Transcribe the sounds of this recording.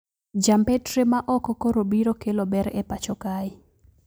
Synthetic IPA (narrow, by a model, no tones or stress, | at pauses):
d͡ʒampɛtɾemaʔɔkɔkoɾobiɾokelobɛɾɛpat͡ʃɔkaɪ